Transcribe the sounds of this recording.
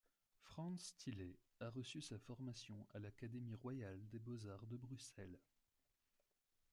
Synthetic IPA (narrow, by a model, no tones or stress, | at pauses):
fχɑ̃st̪ʰile | aʁəsysafɔʁmasjɔ̃ʔalakad̪emiʁwajald̪ebozaʁd̪əbʁysɛl